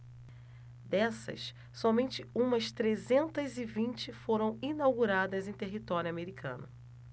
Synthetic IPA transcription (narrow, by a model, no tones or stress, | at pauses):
d̪ɛsɐ̰s | sɔmẽnt͡ʃɪũmɐst̪ɾezẽnt̪ɐzɪvĩnt͡ʃɪfoɾɐ̃w̃inawɡuɾad̪ɐzẽj̃t̪eɦit̪ɔɾjʊameɾikʰɐ̰̃nʊ